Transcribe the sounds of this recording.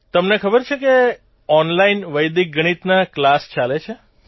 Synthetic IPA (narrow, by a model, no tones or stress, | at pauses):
t̪əmnekʰəbəɾt͡ʃʰeke | ɔnlainʋəjd̪ik̚ɡəɽ̃it̪naklast͡ʃalet͡ʃʰe